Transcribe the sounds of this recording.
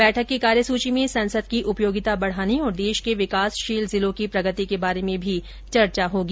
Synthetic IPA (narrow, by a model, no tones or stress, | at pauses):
bɛːʈʰəkːikaːɾjəsuːt͡ʃimẽsɐ̃nsəd̪̚kiʔʊpjoːɡɪt̪abɐɽ̤aːniɔːɾd̪eːʃkeʋɪkaːsʃiːlzɪlõkipɾɐɡət̪ikebaːɾemẽbʱi | t͡ʃɐɾt͡ʃaɦoːɡiː